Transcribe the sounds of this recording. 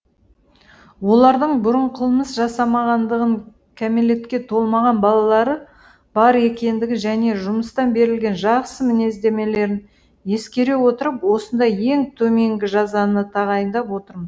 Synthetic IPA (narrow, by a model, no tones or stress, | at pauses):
wo̞lˠɑɾd̪əɴbʊɾəɴqʰəlˠməsʒɑsɑmɑʁɑnd̪əʁəɴ | kʲʰæmele̞t̪kʲe̞t̪ʰo̞lˠmɑʁɑnbɑlˠɑlˠɑɾə | b̥ɑɾe̞kʲe̞nd̪ɪɡʲɪʒæne̞ʒʊməst̪ɑnbe̞ɾɪlɡʲe̞nʒɑqsəmɪne̞zd̪e̞me̞le̞ɾɪn | je̞skʲe̞ɾe̞wo̞t̪əɾəpwo̞sənd̪ɑjje̞ŋt̪ʰɵme̞ŋɡʲɪʒɑzɑnət̪ʰɑʁɑjənd̪ɑpwo̞t̪əɾməz